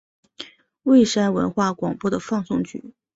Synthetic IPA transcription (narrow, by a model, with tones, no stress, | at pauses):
we˥˩ɪʂa˥nwə̰˧˥nxwa˥˩kwɑ˨˩ŋpwɔ˥d̪ə˩fɑ˥˧ŋsʊ˥˧ŋt͡ɕy̰˨˩˦